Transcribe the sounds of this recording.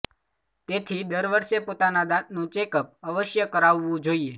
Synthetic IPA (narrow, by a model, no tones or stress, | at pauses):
t̪et̪ʰid̪əɾʋəɾʃepot̪anad̪at̪̚nũt͡ʃekəp̚əʋəʃjəkəɾaʋːũd͡ʒoie